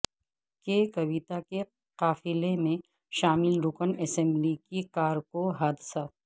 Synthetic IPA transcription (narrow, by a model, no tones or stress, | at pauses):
kekɐbit̪ake | qaːfɪlemẽ | ʃaːmɪlɾʊkənɛːsɛ̃mblikikaːɾkoɦaːd̪ɪsa